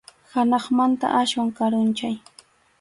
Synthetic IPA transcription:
hanɑχmant̪a̰ʔaʃwaŋkaɾʊnt͡ʃaj

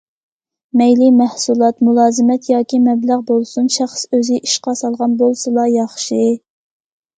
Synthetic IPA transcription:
mɛjlimæhsulˠɑt̪mulˠɑːzɨmɛt̪jɑːkʲimɛblæʁbolˠsunʃæχsøzɪʔiʃqɑsɑlˠʁɑnbolˠsɨlˠɑjɑχʃi

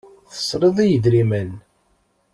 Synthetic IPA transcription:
θə̥sˤːɾˤəðˤijəðɾimən

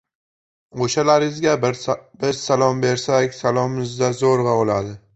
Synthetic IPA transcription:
oʃalaɾɪɪzɡʲabɪɾsalˠɒmbe̞ɾsakʲsalˠɒmɪzd̪azoɾʁɑolad̪ɪ

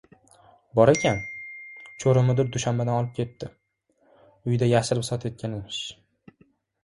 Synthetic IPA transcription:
bɒɾakʲʰan | t͡ʃʰoɾɪmɪd̪ɪɾd̪ʊʃambed̪anɒlˠɪp̚kʲʰe̞t̪ːɪ | ʊjd̪ajaʃɪɾɪpsɒt̪ʰet̪̚kʲanɪmɪʃ

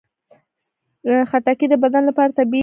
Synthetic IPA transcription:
xaʈakid̪əbad̪anlapɑɾat̪abi

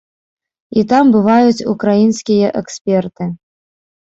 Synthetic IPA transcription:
it̪ambɨvajut͡sʲukɾajinsʲkʲijɐʔɛksʲpʲɛrt̪ɨ

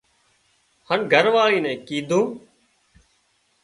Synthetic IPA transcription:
hənɡʱəɾʋaːɭiːnɛ̃ːkiːd̪ʱũː

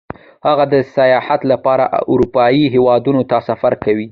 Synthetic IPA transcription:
haɣad̪əsajɑhat̪lapɑɾa̰ʔʊɾupɑjiɦewɑd̪unot̪asafaɾkawi

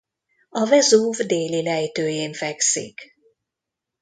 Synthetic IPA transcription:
ɒvɛzuːvd̪eːlilɛjt̪øːjeːɱfɛksḭk

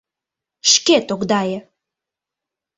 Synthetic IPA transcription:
ʃket̪oɡd̪ɑjə

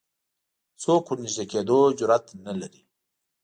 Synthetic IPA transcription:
sokʰuniʒd̪eked̪od͡ʒʊɾat̪nalaɾi

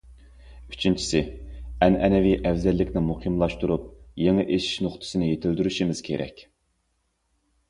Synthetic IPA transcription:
y̥t͡ʃʰint͡ʃʰi̥sɪɛnɛnɛviʔɛvzɛlːɪkʲnɪmuhʰɨmlˠɑʃt̪uɾup̚jeŋɨʔeʃi̥ʃnoχt̪ʰɨ̥sɨnɪjet̪ʰɪld̪yɾyʃimɪz̥kʲʰḛɾʔɛ̰kʲ

